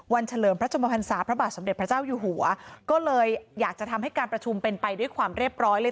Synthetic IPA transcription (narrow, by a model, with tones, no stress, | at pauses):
wa˧nt͡ɕʰa˧lɤː˩mpɾa˦˥t͡ɕʰo˧mpʰa˧pʰa˧nsaː˩˦pʰɾa˥baː˨˩t̪̚so˩˦mde˨˩t̚pʰɾa˦t͡ɕaː˥˩wjuː˨˩ɦu˨˩˦ɐkɔː˥˩lɤː˧jːaː˨˩k̚t͡ɕa˨˩t̪ʰa˧mɦa˥˩jkaː˧npɾa˧t͡ɕʰu˧mpe˧npa˧jdu˥˩jkʰwaː˧mɾi˥˩əp̚ɾɔː˦˥jlː